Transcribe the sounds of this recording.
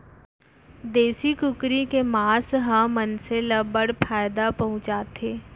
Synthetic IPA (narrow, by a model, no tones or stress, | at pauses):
d̪eːsikʊkɾikemaːsɦãmənseləbəɽpʰaːɪd̪apɐɦʊ̃t͡ʃaːt̪ʰeː